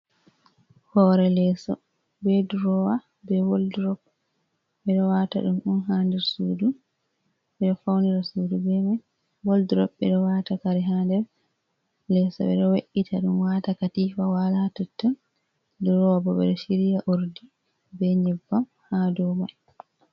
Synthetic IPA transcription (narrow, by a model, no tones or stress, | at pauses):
hɔːɾɛlɛsɔ̰ | bɛduɾɔwa | bɛwoldɾɔp̚ | ɓɛɗɔwata̰ɗumɗumɦandɛɾsudu | ɓɛɗɔfawniɾasuːdubɛma | woldiɾɔpːɛɗɔwaːtakaɾiɦandɛɾ | lɛsɔ̰ɓɛ̰ɗɔweʔitʰaɗumwatakatifawalatɔtːɔn | duɾɔwabɔɓɛ̰ɗɔʃiɾijaʔuɾdi | bɛɲɛbːam | hadɔma